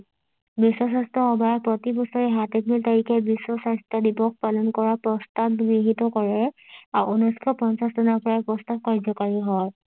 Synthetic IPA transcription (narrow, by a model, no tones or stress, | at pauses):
bisɔsastɔxɔbʱajɔpɹɔtibɔsɔɹɛɦatɛt̚biltaɹikɛbisːɔsastɔdibɔk̚palɔnkɔɹapɹɔstab̚ɡɹiɦitɔkɔɹɛaunuskʰɔpɔnsasdɔnapɔɹaɛpɹɔstab̚kaɹzɔkaɹiɦɔj